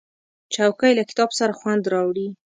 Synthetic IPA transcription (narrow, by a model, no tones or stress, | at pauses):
t͡ʃawkajlakɪ̥t̪ɑbsaɾaxwand̪ɾɑwɽi